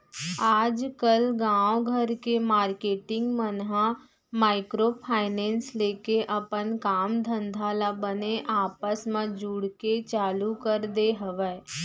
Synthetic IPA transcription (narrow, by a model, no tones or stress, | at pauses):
aːd͡ʒkəlɡãːʋɡʱəɾkemaːɾkeːʈɪ̃ŋɡmənɦã | maːɪkɾopʰaːɪnɛːnsleːkeʔəpənkaːmd̪ʱə̃nd̪ʱaːlabəneʔaːpəsmãd͡ʒuːɽket͡ʃaːlukəɾd̪eɦəʋɛː